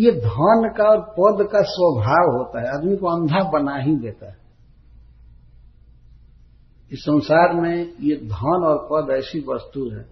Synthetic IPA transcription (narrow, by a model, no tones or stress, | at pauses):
jed̪ʱankaɔːɾpəd̪kaswəbʱaːʋɦoːt̪aɦɛəd̪mikoə̃nd̪ʱabənaɦĩd̪eːt̪aɦɛ | ɪsːə̃nsaːɾmẽjed̪ʱanɔːɾpəd̪ɛːsibəst̪uɦɛ̰̃ː